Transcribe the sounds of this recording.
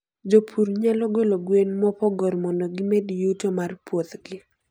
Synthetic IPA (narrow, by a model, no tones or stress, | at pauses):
d͡ʒopʰuɾɲalɔɡoloɡwenmɔpɔɡɔrmɔndoɡɪmɛdjutomarpwot̪ɡɪ